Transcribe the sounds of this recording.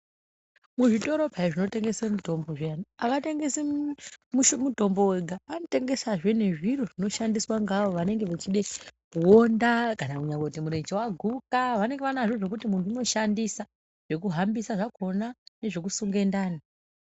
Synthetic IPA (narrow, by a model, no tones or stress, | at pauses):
muʐito̞ɾo̞pʰaiʐino̞te̞ŋɡe̞semuto̞mbo̞ʐeniaʋate̞ŋɡesemuʃmudʱo̞mbo̞weɡʱaʋanote̞ŋɡe̞saʐe̞ne̞ʐiɾoʐino̞ʃandiswaŋɡaʋo̞ʋane̞ŋɡe̞ʋat͡ʃiɗe̞kuwo̞ndakanakuɲaŋkotimuɾend͡ʒewaɡʱukaʋane̞ŋɡe̞ʋanaʐoʐe̞k̬utimunduuno̞ʃandisa | ʐ̥e̞k̬uɦambisaʐakʰo̞nane̞ʐe̞k̬usuŋɡe̞ndaːni